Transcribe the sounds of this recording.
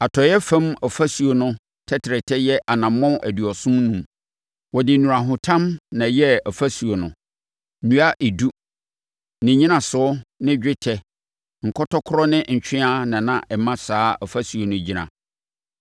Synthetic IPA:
a˨tʰɔ˨jɛ˦fã˦mɔ˨fa˦su˨o˨nʊ̃˦ | tʰɛ˦tʰɪ˨ɾɛ˨tʰɛ˦jɛ˦ʔa˨nã˨mː˦ɔ̃˦ʔæ˨du˨ɔ˨sʊ̃˦nũ˨m | wɔ˨dɪ˨nũ˨ɾa˨ɦʊ̃˨tʰã˦mnã˨jɛ˦ɔ˨fa˦su˨o˨nʊ̃˨ | nũ˦a˦ʔe˨du˦ | nɪ̃˨ɲĩ˦nã˨sʊ˨˦nɪ̃˦d͡ʑᶣɪ˦tʰɛ˦ | ŋ̩˨kʰɔ˦tɔ˦kʰʊ˦ɾɔ˦nɪ̃˦ɲ̩˨t͡ɕᶣɪ̃˦a˦nã˨nã˦˨ʔɛ˨mã˦saː˦ɔ˨fa˦su˨o˨nʊ̃˦d͡ʑi˦nã̰˨

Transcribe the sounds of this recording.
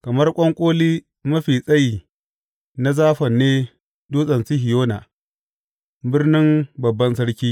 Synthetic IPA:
kɐ˨mɐ˦rkʷʼɐ˦ŋkʷʼoː˦liː˦ | mɐ˦ɸiː˨sʼɐ˦ji˨ | na˦zaː˦ɸɐ˨nːeː˦ | doː˦sʼɐ˨nsi˦ɦɪ˨joː˦na˨ | bɪ˦rnɪ˦mbɐ˨bːɐ˦nsɐ˦ɽkʲiː˦

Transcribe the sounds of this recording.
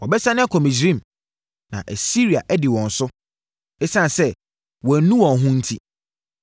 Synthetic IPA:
wɔ˨bɛ˦sa˦nɪ̃˦a˦kʰɔ˨mĩ˨s̬ĩ˦˨m | nã̰˨ʔæ˨si˦ɾi˨a̰˨ʔɛ˦dɪ˨wɔ̃˨n̩˨sʊ˦ | ɛ˦sã˦˨n˨sɛ˦ | wɔ̃˨˦nũ˦wɔ̃˨ɦʊ̃˦n̩˦tʰi˦

